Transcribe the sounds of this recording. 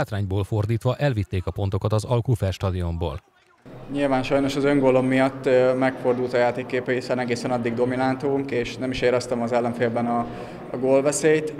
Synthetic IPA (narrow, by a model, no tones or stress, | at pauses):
aːt̪raːɲboːlfo̞rd̪iːt̪ʋɒʔɛlvit̪ːeːkɒpo̞nt̪o̞kɒt̪ɒzɒlkufɛrʃt̪ɒd̪io̞mbo̰ːl | ɲilvaːnʃɒjno̞ʃɒzø̞ŋɡoːlo̞mːijɒt̪ːmɛkfo̞rd̪ult̪ɒjaːt̪eːkːeːpɛɦisɛnɛɡeːsɛnɒd̪ːiɡ̚d̪o̞minant̪uːŋkeːʃnɛmiʃeːɾɛst̪ɛmɒzɛlːɛɱfeːlbɛnɒ | ɡoːlvɛseːjt̪